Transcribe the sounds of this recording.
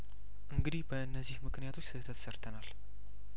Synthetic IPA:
ʔɨŋɡɨd̪ihbəɨnːəzːihmɨknijat̪ʰo̞t͡ʃːsɨt̪ʰːət̪ʰsəɾt̪ʰənal

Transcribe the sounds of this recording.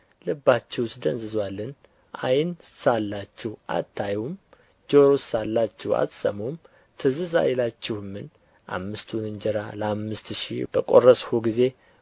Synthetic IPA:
lɨbːat͡ʃːɛwsd̪ənzɨzwalːɨn | ʔajnsalːat͡ʃːɪhʔa̰t̪ʰːajum | d͡ʒoɾosalːat͡ʃːɛwa̰t̪sʼə̰mom | t̪ʰɨzɨza̰jlat͡ʃːɪhmːɨn | ʔa̰mːɨst̪ʰunɨɲd͡ʒɛɾaləamːɨst̪ʃḭb̥əkʼo̞̰rəshuɡize̞

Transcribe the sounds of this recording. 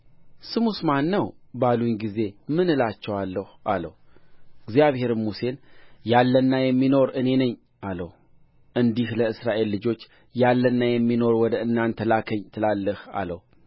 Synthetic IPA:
sɨmusmanːəwbalunɡize̞mɨnɨlat͡ʃːɛwalːəhʔalə̰wɨɡzijaβhe̞ɾɨmmuse̞njalːənːajɛmːino̞ɾɨne̞nəɲː | ʔaləh | ʔɨnd̪ihləɨsɾaʔe̞lːɨd͡ʒo̞t͡ʃː | jalːənːajɛmːino̞ɾwɔd̪əɨnːant̪ʰəlakʰəɲːt̪ʰɨlalːɨha̰ləw

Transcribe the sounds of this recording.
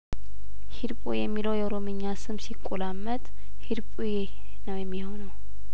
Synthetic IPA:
hid̪pʼujɛmːiləwjɛoɾo̞mɨɲːasɨmsikʼːulamːət̪ʼ | hid̪pʼuje | nəwjɛmːiho̞nəw

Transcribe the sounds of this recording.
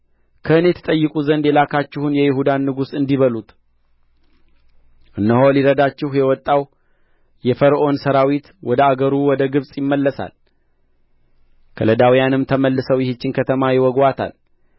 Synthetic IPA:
kʰəɨne̞t̪ʰə̥t̪ʼəjːɨkʼuzənd̪jɛlakʰat͡ʃːɪhunjɛjɪɦud̪anːɨɡusɨnd̪iβəlut̪ʼ | ʔɨnːəɦoliɾəd̪at͡ʃːɪhjɛwɔt̪ʼːaw | jɛfəɾʔo̞nsəɾawit̪wɔd̪əaɡəɾuwɔd̪əɡɨβsʼjɪmːəlːəsa̰l | kʰə̰ləd̪awijanɨmt̪ʰəməlːɨsəwjɪhɪt͡ʃːɪnkʰət̪ʰəmajɪwɔɡwat̪ʰa̰l

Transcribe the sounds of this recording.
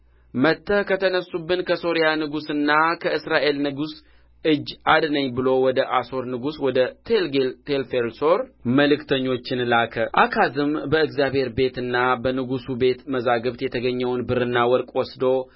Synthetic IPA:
mət̪ʰːəhkʰət̪ʰənəsːubːɨnkʰəso̞ɾijanɨɡusɨnːakʰəɨsɾaʔe̞lnɨɡus | ʔɨd͡ʒːad̪nəɲːbɨlo̞wɔd̪əʔaso̞ɾnɨɡuswɔd̪ət̪ʰelɡelt̪ʰelfelso̞ɾməlɨkt̪ʰəɲːo̞t͡ʃːɪnlakʰəʔakʰazɨmbəɨɡzjaβhe̞ɾbe̞t̪ɨnːabənɨɡusube̞t̪məzaɡəβt̪jɛt̪ʰəɡəɲːɛwnbɨɾɨnːawɔɾkʼwɔsd̪o̞

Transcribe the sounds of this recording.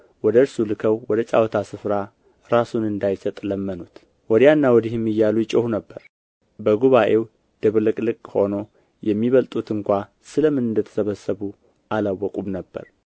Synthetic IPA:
wɔd̪əɨɾsulɨkʰəwwɔd̪ət͡ʃʼa̰wt̪ʰasɨfɾa | ɾasunɨnd̪ajsət̪ʼləmːənut̪ | wɔd̪janːawɔd̪ihɨmːɨjːalujɪt͡ʃʼəhunəbːəɾ | bəɡuβaʔe̞w | d̪̥ɨβlɨkʼlɨkʼːho̞no̞ | jɛmːiβəlt̪ʼut̪ɨŋkʷa | sɨləmɨnɨnd̪ət̪ʰə̥səβəsːəβu | ʔalawːɔkʼumnəbːə̰ɾ

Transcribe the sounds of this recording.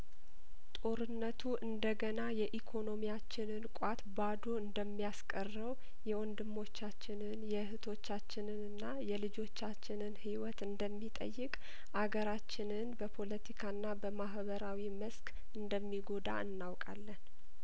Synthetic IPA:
t̪ʼo̞ɾɨnːət̪ʰuʔɨnd̪əɡənajɛʔikʰo̞no̞mijat͡ʃːɪnɨnkʷʼat̪bad̪o̞ɨnd̪əmːijaskʼərːəw | jɛwɔnd̪ɨmːo̞t͡ʃːat͡ʃːɪnɨnjɛhɨt̪ʰo̞t͡ʃːat͡ʃːɪnɨnɨnːajɛlɨd͡ʒo̞t͡ʃːat͡ʃːɪnɨnhiwɔt̪ɨnd̪əmːit̪ʼə̰jːɪkʼ | ʔaɡəɾat͡ʃːɪnɨnbəpʰo̞lət̪ʰikʰaɨnːabəmaɦbəɾawiməskʼ | ɨnd̪əmːiɡo̞d̪a̰ɨnːawkʼalːən

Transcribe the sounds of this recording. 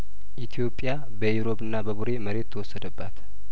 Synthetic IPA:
ʔit̪ʰijo̞pʼːja | bəewɾo̞bɨnːabəβuɾe̞məɾe̞t̪ːʰəwɔsːəd̪əbːat̪

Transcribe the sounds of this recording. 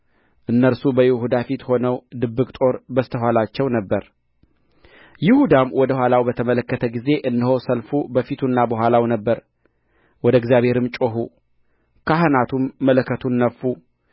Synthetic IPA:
ʔɨnːəɾsubəjɪhud̪afit̪ho̞nəwd̪ɨbːɨkʼt̪ʼo̞ɾbəst̪ʰəɦʷwalat͡ʃːɛwnəbːəɾ | jɪhud̪amwɔd̪əhʷwalawbət̪ʰəmələkːət̪ʰəɡize̞ʔɨnd̪əho̞səlfubəfit̪ʰunːabəɦʷwʷalawnəbːəɾ | wɔd̪əɡzjaβhe̞ɾɨmt͡ʃʼoɦu | kʰaɦɨnat̪ʰumːələkːət̪ʰunːəfːu

